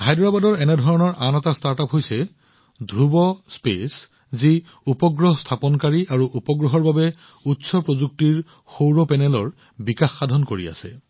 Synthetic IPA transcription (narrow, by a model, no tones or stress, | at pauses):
hajdɹabadɔɹɛnɛdʱɔɹɔnɔɹʔanɛtastaɹtapɦojsɛ | dʱɹubɔspḛs | zi | upɔɡɹɔɦɔstʰapɔnkaɹiaɹuʔupɔɡɹɔɦɔɹbabɛ | utsɔpɹozuk̚tiɹ | xowɹɔpɛnɛlɔɹ | bikaxːadʱɔnkoɹḭa̰sɛ̰